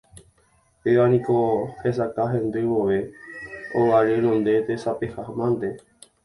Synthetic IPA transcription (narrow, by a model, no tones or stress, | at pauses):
peʋanĩkohes̬akaɦẽnd̪ɨjmoʋe | oʋaɾenõnd̪e̞t̪esapehahmãnd̪e